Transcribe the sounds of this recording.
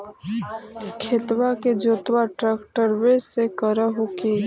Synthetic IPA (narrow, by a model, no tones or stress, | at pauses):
kʰeːt̪waked͡ʒoːt̪waʈɾəkʈəɾwesekəɾəɦoki